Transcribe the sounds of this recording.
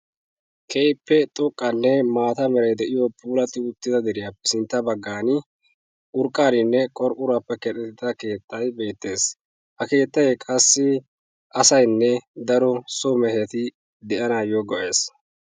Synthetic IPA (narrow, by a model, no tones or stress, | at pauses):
kʰɛjpːɛt̪ʼɔkʼːɐnːɛmaːt̪ɐmɛɾɐjd̪ɛʔɪjɔpʰuːlɐt̪ːɪʊt̪ːɪd̪ɐd̪ɾɪjaːpːɛsɪnt̪ːɐbɐɡːaːnɪ | ʔʊɾkʼːaːɾɪnːɛkʼɔɾpʼːʊɾaːpːɛkɛt̪ʼɛt̪ɪt̪ɐke̞ːt̪ʰːɐjbe̞ːt̪ːe̞ːs | hɐke̞ːt̪ːɐjkʼɐsːɪ | ʔɐsɐjnːɛd̪ɐɾɔsɔmɛhɛt̪ɪ | d̪ɛʔɐnajoɡɔʔe̞ːs